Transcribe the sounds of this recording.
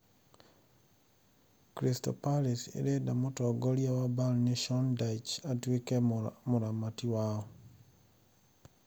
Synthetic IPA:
kɾistɔ̰paɾisḛɾedamotɔɡoɾjawabalneʃɔndajt͡ʃatwikɛmʊɾamatiwaɔ

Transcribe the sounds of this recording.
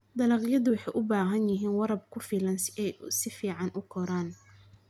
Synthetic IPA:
d̪ɐlɑːqjɐðʊwɑħɑjʔʊbaːɦɐnjɪɦiːnwɑɾɐb̚kʰʊfiːlɐnsɛjsɪfiːʕɑnʔʊkʰɔɾaːn

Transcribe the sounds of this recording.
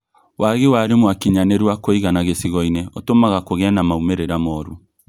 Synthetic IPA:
wʔaɣewaɾemwakiɲaneɾiwakoiɣanaɣesiɣɔineotomaɣakoɣɛnamaumeɾeɾamɔːɾu

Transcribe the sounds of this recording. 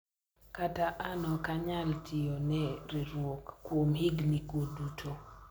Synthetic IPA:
kataʔanɔkaɲaltʰijonɛɾiɾwokːwomhɪɡnikodutʰo

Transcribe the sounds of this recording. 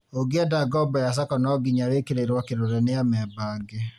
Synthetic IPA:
oɡeadaɡɔbɔjas̬akɔnɔɡiɲawekeɾeɾwɔkeɾoɾɛneamɛbaɡe

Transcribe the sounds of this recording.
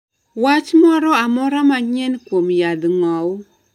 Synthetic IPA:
wat͡ʃmɔɾɔamɔɾamaɲɛnkwomjad̪ŋɔw

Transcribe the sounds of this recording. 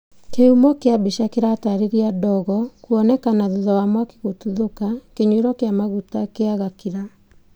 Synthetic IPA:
keumɔkeabeʃakeɾataɾeɾiadɔɣɔkuɔnɛkanaðuðɔwamwake̥ɣotuðokakeɲweɾɔkeamaɣutakeaɣakiɾa

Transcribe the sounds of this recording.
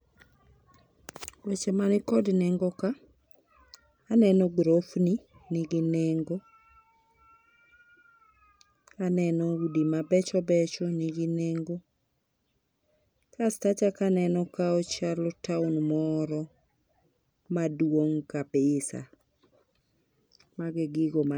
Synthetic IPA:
wet͡ʃemanɪkɔdnɛŋɡoka | nɛnɔɡɾofni | nɪɡɪneŋɡo | kanɛnɔudimabɛt͡ʃɔbɛt͡ʃɔnɪɡɪneŋɡo | kastat͡ʃakanɛnɔkaɔt͡ʃalɔtaunmɔɾɔ | madwoŋkabɪsa̰ | maɡɪɡɪɡoma

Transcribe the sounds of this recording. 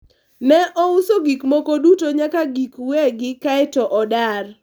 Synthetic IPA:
nɛʔɔʊsoɡikmokodutoɲakaɡikweɡɪkaɛtɔʔɔdar

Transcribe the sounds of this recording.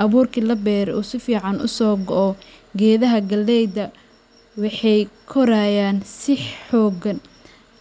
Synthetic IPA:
ʔɐβuːrkʰilɐbɛːɾuːsɪfiːʕɑnʔʊ̰sɔːɡɔʔɔ | ɡɛːðɐɦɐɡɐlːɛjd̪ɐ | wɑħɑjkʰɔɾaːjaːnsɪħɔːɡɐn

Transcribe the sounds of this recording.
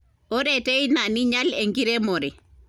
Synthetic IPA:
oɾeteinaniɲaleŋɡiɾemoɾe

